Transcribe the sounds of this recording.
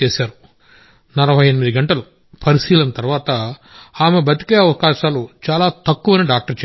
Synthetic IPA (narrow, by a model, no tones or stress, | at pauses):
eːsaːɾu | nɐlɐʋɐjɐnimid̪iɡɐɳʈɐlɐ | pɐɾiʃiːlɐnt̪ɐɾʋaːt̪ɐaːme̞bɐt̪i̥kɐjɐʋɐkaːʃaːlut͡ʃaːlaːt̪ɐkːuʋɐniːɖaːk̚ʈɐɾt͡ʃ